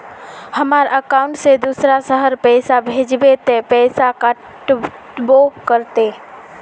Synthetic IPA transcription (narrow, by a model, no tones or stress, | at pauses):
həmaːɾəkaʊ̃ɳʈsed̪usɾasəɦəɾpɛːsabʱeːd͡ʒbet̪ẽpɛːsakə | ʈ | bokəɾt̪e